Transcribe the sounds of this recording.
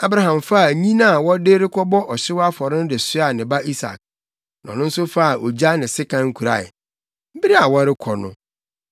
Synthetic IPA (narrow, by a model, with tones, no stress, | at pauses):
a˦bɾa˦ɦã˨mfa˦˨ɲĩ˦nã˦˨wɔ˦deː˦ɾɪ˦kʰɔ˦bɔ˦ʔɔ˨ɕɪ˦wa˦fɔ˨ɾɪ̃˦n˦dɪ˨sɪ˦a˨nɪ̃˨ba˦ʔi˦sa̰˨k̚ | nã˨nʊ̃˦n̩˦sʊ˦fa˦˨ʔo˨d͡ʑa˦nɪ̃˨sɪ˦kʰã˦ŋ̩˦kʰu˨ɾa̰˨ɪ̰˨ | m̩˦bi˦ɾi˦a˨wɔ˦ɾɪ˦kʰɔ˨nʊ̰̃˦